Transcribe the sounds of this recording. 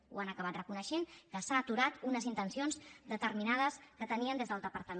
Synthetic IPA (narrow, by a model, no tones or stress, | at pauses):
ṵanəkəβat̪rəkunəʃenkəsaːt̪uɾat̪unəzint̪ənsionzd̪ət̪əɾminað̞əskət̪əniənd̪ezðəlˠd̪əpəɾt̪əm